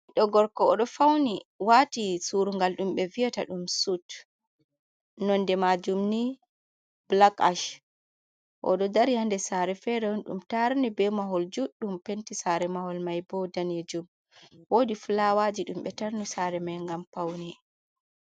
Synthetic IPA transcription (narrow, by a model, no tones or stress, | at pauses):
ɗɔɡɔɾkɔːɗɔfawniwatisuɾuŋɡalɗumɓɛvijɔtaɗumsut | nɔndɛmad͡ʒumni | blaka̰ʃ | ʔɔ̰ɗɔdaɾihandɛsaɾɛfɛɾɛnɗṵmtaɾnibɛmaɦɔld͡ʒuɗːumpentisaɾɛmahɔlmajbɔdaned͡ʒum | wodifulawad͡ʒiɗumɓɛtaɾnusaɾɛmajŋɡamfawni